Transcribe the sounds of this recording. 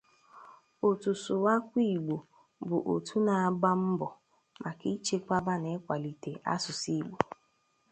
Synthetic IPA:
o˨tu˨sʊ˨wa˦kʷi˦˨ɡ͡bo˨ | bʊ˨ʔo˨tʰu˦na˨a˨ɡ͡ba˦m̩˦bɔ˨ | mʔa˨ki˦t͡ʃe˦kʷa˦ba˦ne˦kʷa˨li˨te˨ʔa̰˦sʊ˨si˦ɡ͡bo˨

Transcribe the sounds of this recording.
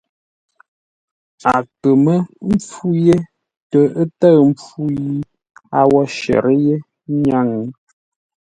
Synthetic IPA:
a˨kə˨mə˦m̩˦p͡fu˦je˦ | tə˨ə˦tə˦˨m̩˦p͡fu˦ji˦ | a˦wɔ˦ʃɛ̰˨ɾə˦je˦ | ɲa˦ŋə˦

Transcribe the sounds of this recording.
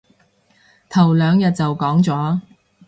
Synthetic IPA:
t̪ʰɐ˨˩wlœː˨˧ŋjɐ˨t̚t͡sɐ˨wkɔː˨˥ŋt͡sɔː˨˥

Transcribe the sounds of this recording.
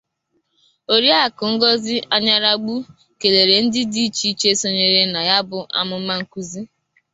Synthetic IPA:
o˨ɾi˦a˦˨kʊ˨ŋ̩˦ɡɔ˦zɪ˦a˦ɲa˦ɾa˦ɡ͡bu˦ | ke˨le˨ɾe˨n̩˦dɪ˦di˦i˦t͡ʃi˦t͡ʃe˦so˦ɲe˨ɾe˦na˨ja˦bʊ˦ʔa̰˨mʊ˨m̩˦ma˦ŋ̩˦˨ku˦zi˦

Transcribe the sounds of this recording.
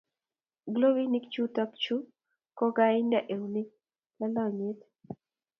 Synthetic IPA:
ɡlo˦wi˦ni˦kt͡ʃu˦ta˦kt͡ʃu˦ | kɔ˦ɡa˦ɪ˦nda˨ʔe˨wnɪ˦ | la˦la˦˨ɲe˦t

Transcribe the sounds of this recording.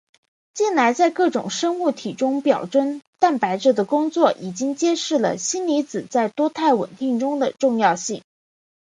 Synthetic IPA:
t͡ɕi˥˩nla˧˥ɪt͡sa˥˧ɪkɤ˥˩ʈ͡ʂʊ˨˩ŋʂɤ˥ŋu˥˩t̪ʰi˨˩ʈ͡ʂʊ˥ŋpjɑ˨˩ʊʈ͡ʂə˥nt̪a˥˩npa˧˥ɪʈ͡ʂɤ˥˩d̪ə˩kʊ˥ŋt͡swɔ˥˩ʔi˨˩t͡ɕi˥ŋt͡ɕjɛ˥ʂɻ̩˥˩lə̰˩ɕi˥nli˧˥t͡sɹ̩˨˩t͡sa˥˩ɪt̪wɔ˥t̪ʰa˥˩ɪwə̰˨˩nt̪i˥˩ŋʈ͡ʂʊ˥ŋd̪ə˨ʈ͡ʂʊ˥˧ŋjɑ˥˧ʊɕi˥˩ŋ

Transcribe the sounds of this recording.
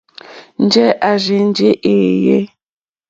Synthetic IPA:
n̩˦d͡ʒe˦ʔa˨ʒi˨n˦d͡ʒe˦ʔe˨je˦

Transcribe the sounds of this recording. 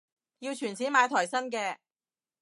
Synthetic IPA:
jiː˧wt͡ʃʰyː˨˩nt͡sʰiː˨˥nmaː˨˧jt̪ʰɔː˨˩jsɐ˥nk̬ɛː˧

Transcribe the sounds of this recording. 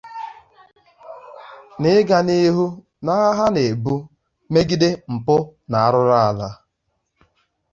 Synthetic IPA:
nɪ˦ɡa˨ni˦ɦu˦ | na˦ɦa˦ne˨bu˦ | me˦ɡi˦de˦m̩˨pʊ˦na˨a˦ɾʊ˦ɾa˦a˨la˦

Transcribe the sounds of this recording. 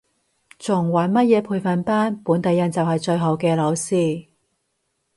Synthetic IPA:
t͡sʊ˨˩ŋwaː˨˥nmɐ˥t̚jɛː˨˧pʰuː˧jfɐ˨˩npaː˥npuː˨˥nt̪ɐ˨˧jːɐ˨˧nt͡sɐ˨wɦɐ˨jt͡ʃɵ˧ɥɦo˨˧˥wkɛː˧lɐ˨˧˥wsiː˧

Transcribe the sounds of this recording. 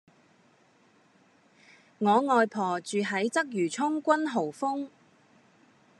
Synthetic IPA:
ŋɔː˨˧ŋɔː˨jpʰɔː˨˩t͡ʃyː˨ɦɐ˨˥jt͡sɐ˥k̚jyː˨˩t͡sʰʊ˥ŋkʷɐ˥nɦo˨˩wfʊ˥ŋ

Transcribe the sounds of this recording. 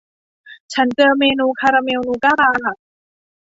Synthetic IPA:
t͡ɕʰa˦˥nt͡ɕɤː˧meː˧nuː˧kʰaː˧ɾaː˧me˧wnuː˧kaː˥˩ɾaː˧a˨˩

